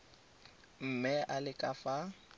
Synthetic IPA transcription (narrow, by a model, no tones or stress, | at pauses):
m̩mɛʔalɪkʼafa